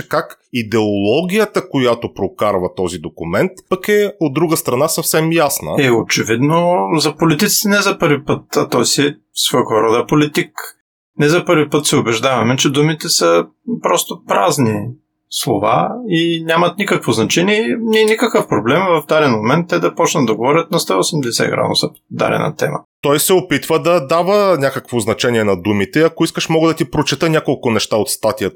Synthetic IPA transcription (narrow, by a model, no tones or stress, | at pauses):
kakid̪ɛolˠɔɡʲijət̪əkojat̪opɾokaɾvɐt̪ɔzid̪okumɛnt̪pɐkɛod̪ːɾuɡəst̪ɾɐnasɐfsɛmjasnə̰ɛot͡ʃɛvid̪nozɐpolit̪it̪si̥t̪ɛnɛzɐpɤɾvipɤt̪ɐt̪ɔjsi | svɔjkvɐɾɔd̪ɐpolit̪ik | nɛzɐpɤɾvipɤt̪sɛobɛʒd̪avɐmɛt͡ʃɛd̪umit̪ɛsə | pɾɔst̪opɾazni | slˠo̰va̰inʲamɐt̪nikəkvoznɐt͡ʃɛniɛnʲɛɛnikəkəfpɾoblɛmvɐfd̪aɾɛnmomɛnt̪ːɛd̪ɐpɔt͡ʃnəd̪ɐɡovɔɾʲət̪̚nɐst̪aosɛmd̪ɛsɛ̰ɡɾa̰nʊ̰səpo̥d̪a̰ɾɛ̰nɐ̰t̪ɛ̰mə̰t̪ɔjsɛopit̪vəd̪ɐd̪avənʲakəkvoznɐt͡ʃɛniɛnɐd̪umit̪ɛɐkoiskəʃmɔɡəd̪ɐt̪ipɾot͡ʃit̪ənʲjakolˠkʊnɛʃt̪aot̪st̪at̪ijət̪